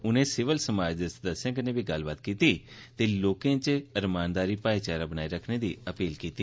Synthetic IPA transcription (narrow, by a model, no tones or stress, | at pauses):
ʊnẽːsɪʋəlsəmaːd͡ʒd̪eːsəd̪əsjãːkənẽːbʱiːɡəlbaːt̪kiːt̪iː | t̪eːloːkẽːt͡ʃəɾmaːnd̪aːɾiːpaːit͡ʃaːɾaːbənaːiːɾəkʰneːd̪iːəpiːlkiːt̪iː